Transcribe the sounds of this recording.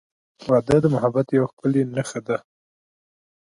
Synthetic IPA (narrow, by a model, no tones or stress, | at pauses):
wɑd̪əd̪əmʊɦabat̪jawxpəlenaxad̪a